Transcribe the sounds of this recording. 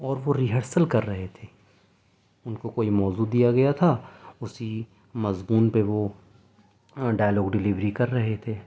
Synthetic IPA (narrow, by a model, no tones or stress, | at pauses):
ɔːɾʋoɾiɦəɾsəlkɐɾːɐɦet̪ʰeː | ʊnkokoːimɔːzud̪ijaɡɐjat̪ʰaʊsi | mɐzbuːnpeʋo | ɖaːjlɔːɡɖɪlɪʋɾikɐɾːɐɦet̪ʰeː